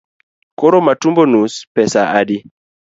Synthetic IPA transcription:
koɾomatumbonuspɛsaʔadi

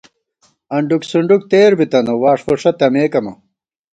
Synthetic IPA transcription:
ɐɳɖuksuɳɖuk̚t̪eːɾbit̪ɐnowaːʂfoʂɐt̪ɐmeːkɐmɐ

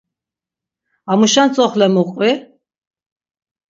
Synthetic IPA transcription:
amuʃant͡sʼɔχlɛmuqʼwi

